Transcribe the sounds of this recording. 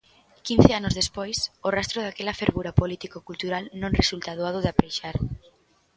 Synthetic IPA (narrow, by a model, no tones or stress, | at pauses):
kinθeanʊzðespojsorast̪ɾʊðakɛlɐfeɾβuɾɐpolit̪ikokult̪uɾalnõŋresult̪aðoaðʊðapɾejʃaɾ